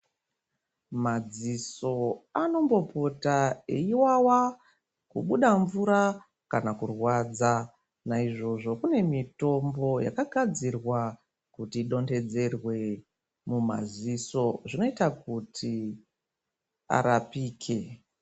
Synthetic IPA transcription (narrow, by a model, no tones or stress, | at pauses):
mad͡ziso̞ano̞mbo̞po̞taeiwawa | kuɓuɗaɱvuɾa | kanakurwaːd͡za | naiʐo̞ʐo̞kune̞mito̞mbo̞ja̰kaɡʱad͡zirwa | kutiːɗo̞nde̞d͡ze̞rwe̞ | muma̰ziso̞ʐino̞itakutʰi | a̰ɾapiːkʰe̞